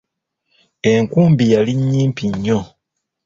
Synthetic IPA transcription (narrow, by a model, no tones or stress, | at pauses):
e̞ŋkuːmbijaliɲːiːmpiɲːo